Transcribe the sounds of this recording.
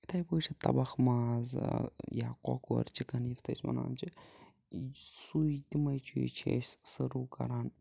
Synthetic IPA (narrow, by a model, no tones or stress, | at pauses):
it̪ʰɐjboːt͡ʃʰit̪ɐbɐxmaːzja̰ːko̰koɾt͡ʃʰikɐnift̪ʰɐsʲmɐ̰na̰ːmt͡ʃʰi | sud̪imɐjt͡ʃʰṵt͡ʃʰḛssɐɾuːkɐ̰ɾaːn